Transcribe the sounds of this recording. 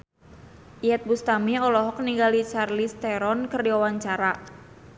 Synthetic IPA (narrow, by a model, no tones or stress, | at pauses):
ʔiɛt̪̚bust̪amiɔlɔɦɔk̚niŋɡalit͡ʃarlist̪ɛɾɔnkɨrdiawaɲt͡ʃaɾa